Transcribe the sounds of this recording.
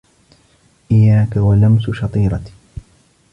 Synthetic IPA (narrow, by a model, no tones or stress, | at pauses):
ʔɪjːaːkawalamsʊʃɑt̪ˤiːɾˤɑt̪ː